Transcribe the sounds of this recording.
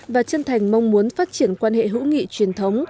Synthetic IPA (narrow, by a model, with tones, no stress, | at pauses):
vaː˨˩t͡ɕə˧nt̪ʰa˨˩jŋ̟ma˧wŋ͡mmu˨˦ənfaː˦˥t̚t͡ɕi˧˩ənkwaː˧nɦḛ˧˨ɦṵ˧˥ŋḭ˧˨t͡ɕwi˨˩ənt̪ʰə˨˦wŋ͡m